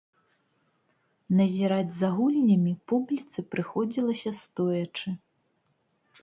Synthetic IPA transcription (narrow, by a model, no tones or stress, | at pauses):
nɐzʲiɾad͡zʲzaɣulʲnʲɐmʲipublʲit̪sɨpɾɨxɔd͡zʲilˠɐsʲɐst̪ɔjɐt͡ʂɨ